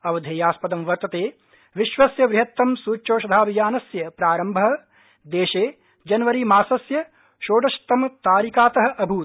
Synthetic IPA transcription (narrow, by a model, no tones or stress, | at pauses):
ɐʋɐd̪ʱeːjaːspɐd̪ɐmʋɐɾt̪ɐt̪eː | ʋiʃʋɐsjɐʋɾɪɦɐt̪ːɐmsuːt͡ʃoːʃɐd̪ʱaːbʱijaːnɐsjɐpɾaːɾɐmbʱɐɦɐ̆ | d̪eːʃeː | d͡ʒɐnʋɐɾimaːsɐsjɐ | ʃoːɖɐʃt̪ːɐmɐt̪aːɾikaːt̪ɐɦɐ̆ʔɐbʱuː